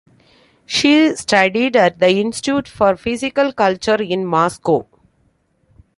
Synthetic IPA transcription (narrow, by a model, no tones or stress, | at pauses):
ʃiːsʈɐɖiɖæʈ̚d̪əɪ̃nsʈʈjuːʈfɔːɾfɪzɪkəlkʌlt͡ʃəɾɪ̃nmɔːskoː